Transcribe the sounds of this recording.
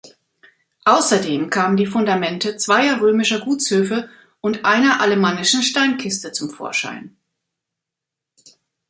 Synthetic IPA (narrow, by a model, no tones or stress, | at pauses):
ʔaʊsɐdeːmkʰaːməndiːfʊndamɛntət͡sv̥aɪɐʁøːmɪʃɐɡuːt͡shøːfə | ʔʊntʔaɪnɐʔaləmanɪʃn̩ʃtaɪnkʰɪstət͡sʊmfo̰ːɐʃa̰ɪn